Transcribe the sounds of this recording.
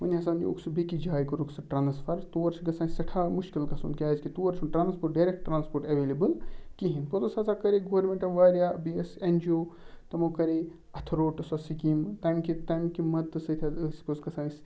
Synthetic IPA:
ʋɐnʲɦɐsaːno̰ksubikid͡ʒaːjkɐɾuksɐʈɾaːnsfʰɐɾt̪uːɐɾt͡ʃɡɐsaːnsɐʈʰaːmuʃkilɡɐsṵːnkʲaːzkit̪uːɐɾt͡ʃʰuʈɾaːnspoːʈ̚ɖɐjɾek̚ʈʈːɾaːnspoːɾʈɐʋeːlebɨlkiɦĩnpot̪usɐːsakɐɾeɡoːɾmẽɳʈɐʋaːɾjabiesend͡ʒioːt̪ɐmokɐɾe | ɐt̪ʰɾoːʈɨsɐsikimt̪ɐmkit̪ɐmkimɐt̪ːɨsɐt̪ʰʲasposɡɐsãːnis

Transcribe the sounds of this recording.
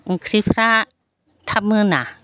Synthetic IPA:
kʰɾipʰɾa | t̪ʰap̚mɯna

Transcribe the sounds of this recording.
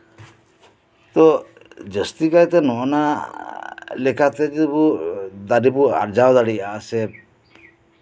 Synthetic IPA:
t̪ɔ | d͡ʒəst̪ikajt̪ɛnɔna | lɛkʰat̪ɛd͡ʒid̪ibud̪aɖibua̰ɾd͡ʒawd̪aɽiasɛ

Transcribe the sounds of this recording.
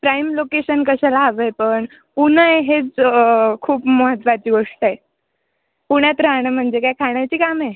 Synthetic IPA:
pɾajmlokeɕənkəɕalaːʋəjpəɳ | unəjɦet͡skʰuːpməɦət̪ʋat͡ɕiːɡʱoʂʈae | puɽ̃jat̪ɾaɽ̃əm̤əɳd͡zekajkʰaɽ̃jat͡ɕiːkame

